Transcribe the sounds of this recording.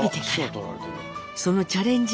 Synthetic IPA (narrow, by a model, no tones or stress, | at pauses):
it̪ek̪ʲ | so̞no̞t͡ɕaɾẽ̞ɲ̟d͡ʑ